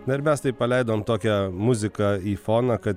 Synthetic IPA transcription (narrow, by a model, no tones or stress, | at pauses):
nɐɪɾmʲɛst̪ɐɪpːɐlʲɛɪd̪oːmt̪oːkʲɛmʊzʲɪkɐiːfoːnɐkɐt̪